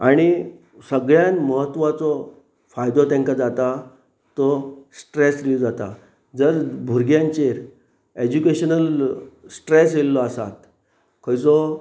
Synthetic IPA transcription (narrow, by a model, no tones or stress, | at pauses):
aɽ̃i | səɡɭjãnməɦət̪ːʋat͡sɔ | fajd̪ɔt̪ɛ̃ŋkad͡zat̪a | t̪ɔsʈɾesɾid͡zat̪a̰ | d͡zəɾbʱuɾɡjãɲt͡ɕeɾ | ed͡ʑukeɕənəlsʈɾesjelːɔasa̰t̪ | kʰəjt͡sɔ